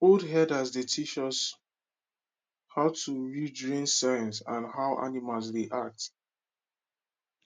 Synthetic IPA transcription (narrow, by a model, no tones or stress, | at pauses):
odɦɛdazdetʰiʃɔs | haʊtʰuɹidɹĩnsãj̃nsãnɦaʊʔa̰nimalsdeʔak̚t